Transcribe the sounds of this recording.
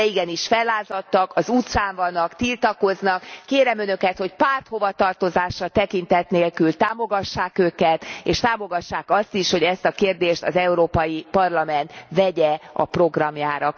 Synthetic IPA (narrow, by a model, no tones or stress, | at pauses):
ɛiɡɛniʃfɛlːaːzɒt̪ːɒkɒzut̪saːɱvɒnːɒkt̪ilt̪ɒko̞znɒkːeːɾɛmønø̞kɛt̪ho̞cpaːrt̪ho̞vɒt̪ɒrt̪o̞zaːʃːɒt̪ɛkint̪ɛt̪neːlkylt̪aːmo̞ɡɒʃːaːkøːkɛt̪eːʃt̪aːmo̞ɡɒʃːaːkɒst̪iʃhoɟɛst̪ɒkeːrd̪eːʃt̪ɒzɛuɾoːpɒjipɒrlɒmɛnt̪vɛɟɛɒ̰pro̞ɡrɒmjaːɾɒ